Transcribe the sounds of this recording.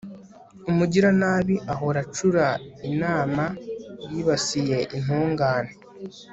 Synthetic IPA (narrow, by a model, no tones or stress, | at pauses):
umuɟiɾanaβiʔaɦo̞ɾat͡ʃuɾainaːmaɾiβasije̞ʔin̥uːŋɡaːne